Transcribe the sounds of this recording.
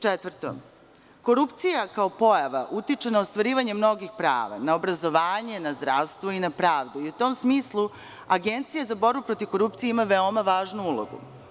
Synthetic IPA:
t͡ʃet̪ʋrt̪o̰m | ko̞ɾupt̪sijakao̞po̞jaʋaʔut̪it͡ʂenaost̪ʋaɾiːʋaɲe̞mno̞ɡixpɾa̰ːʋa̰nao̞bɾazo̞ʋaːɲe̞nazd̪ɾaːʋst̪ʋo̞inapɾaːʋd̪uiut̪o̞msmiːslˠu | aɡent̪sijazabo̞ɾbupɾo̞t̪iv̥ko̞ɾupt̪sijeimaʋeo̞maʋaːʒnuulˠo̰ɡṵ

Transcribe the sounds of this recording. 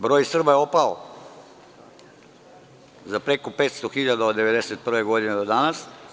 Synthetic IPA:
bɾoːjsr̩bajeopao | zapɾekopeːt̪st̪oxiʎad̪aod̪d̪eʋed̪eset̪̚pr̩ʋeɡod̪ined̪od̪anas

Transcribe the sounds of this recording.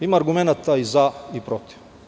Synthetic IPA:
imaːɾɡumɛnat̪ːaizaipɾɔt̪i̥f

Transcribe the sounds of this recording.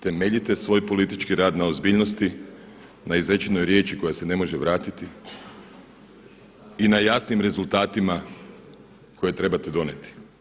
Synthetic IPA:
t̪e̞me̞ʎit̪e̞sʋo̞ːjpo̞lit̪it͡ʃkiɾaːd̪naozbiːʎno̞st̪i | naizɾet͡ʃeno̞jɾje̞ːt͡ʃiko̞jasene̞mo̞ʒeʋɾaːt̪it̪i | inajasnimɾe̞zult̪aːt̪ima | koje̞t̪ɾe̞bat̪ed̪o̞net̪i̥

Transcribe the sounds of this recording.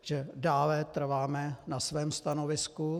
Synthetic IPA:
ʒ̥ɛdaːlɛt̪r̩vaːmɛnasvɛːmst̪anovɪsku

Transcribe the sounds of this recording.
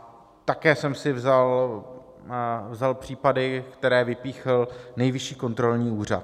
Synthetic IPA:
t̪akɛːsɛmsɪvzal | vzalpr̝̥iːpadɪkt̪ɛɾɛːvɪpiːxlnɛjvɪʃiːko̞nt̪ɾo̞lɲiːuːr̝a̰t̪

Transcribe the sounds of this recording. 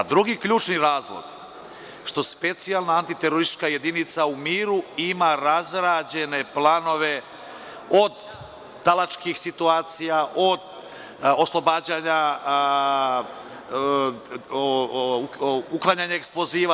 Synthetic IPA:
d̪ɾuɡikʎuːt͡ʃniɾaːzlˠo̰ɡ̥ | ʃt̪o̞spe̞t̪sijalˠnaːnt̪it̪eɾoɾist̪it͡ʃkaje̞d̪init̪saumiːɾuimaɾazɾaːd͡ʑe̞ne̞plˠaːno̞ʋe̞ | od̪ː | alat͡ʃkixsit̪uaːt̪sijaʔod̪ | oslˠo̞baːd͡ʑaɲa | uklˠaɲaɲaeksplo̞ziːʋa

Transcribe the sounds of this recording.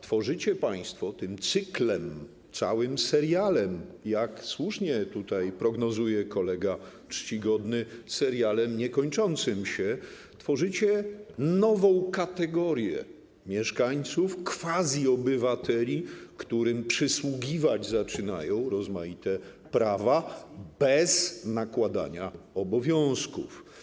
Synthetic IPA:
t̪fɔʐɘt͡ɕɛpaj̃st̪fɔt̪ɘmt̪sɘklɛm | t̪sa̰wɘmsɛɾjalɛmjakswuʂɲɛt̪ut̪ajpɾɔɡnɔzujɛkɔlɛɡa | t͡ʂt͡ɕiɡɔd̪nɘsɛɾjalɛmɲɛkɔɲt͡ʂɔnt̪sɘmɕɛ | t̪fɔʐɘt͡ɕɛnɔvɔ̃w̃kat̪ɛɡɔɾʲjɛ̰ | mʲjɛʂkaɲt̪sufkfazʲiɔbɘvat̪ɛlʲikt̪uɾɘmpʂɘswuɡʲivad͡ʑzat͡ʂɘnajɔ̃w̃ɾɔzmait̪ɛ | pɾavabɛznakwad̪a̰ɲaɔbɔvʲjɔ̃w̃skṵf

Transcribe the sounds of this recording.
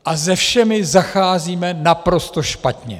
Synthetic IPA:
ʔazɛfʃɛmɪzaxaːziːmɛnapɾo̞st̪o̞ʃpat̪ɲɛ̰

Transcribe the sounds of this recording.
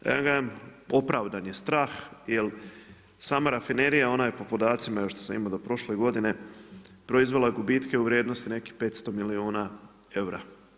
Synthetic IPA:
ja̰ŋɡaemo̞pɾaːʋd̪anjest̪ɾaːxjel | samaɾafineɾijao̞naje̞po̞pod̪aːt̪simaeoʃt̪osamḭmod̪o̞pɾo̞ʃle̞ɡo̞d̪ine̞pɾo̞izʋe̞lˠaɡubiːt̪ke̞uʋɾʲjeːd̪nost̪ine̞kihpe̞ːt̪st̪o̞miliuːna | e̞wɾa̰

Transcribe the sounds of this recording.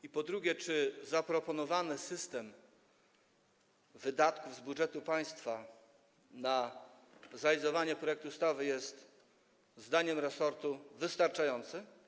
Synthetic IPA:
ipɔd̪ɾuɡʲɛt͡ʂɘzapɾɔpɔnɔvanɘsɘst̪ɛm | vɘd̪at̪kuvzbuʐɛt̪upaj̃st̪fa | na | zɾalʲizɔvaɲɛpɾɔjɛk̚t̪ust̪avɘjɛst̪ | zd̪aɲɛmɾɛsɔɾt̪uvɘst̪aɾt͡ʂajɔnt̪sɘ

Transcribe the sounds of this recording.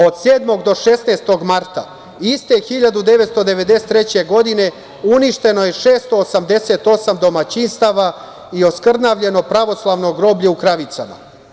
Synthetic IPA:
o̞d̪seːd̪mo̞ɡd̪o̞ʃesnest̪o̞ɡmaɾt̪a̰ | ist̪e̞xiʎad̪ud̪e̞ʋet̪st̪o̞d̪e̞ʋe̞d̪ese̥t̪ɾet͡ɕe̞ɡo̞d̪ine̞ | uniʃt̪e̞no̞je̞ʃeːst̪o̞ːsamd̪e̞set̪o̞samd̪o̞mat͡ɕinst̪aʋa | io̞skr̩naʋʎe̞no̞pɾaʋo̞slˠaʋno̞ɡɾo̞ːbʎeukɾaʋit̪sama̰

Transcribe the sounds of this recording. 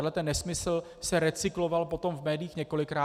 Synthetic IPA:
dlɛt̪ɛnːɛsmɪsl̩ | sɛɾɛt͡sɪklo̞valpo̞t̪o̞mvmɛːdɪjiːxɲɛko̞lɪkɾaː

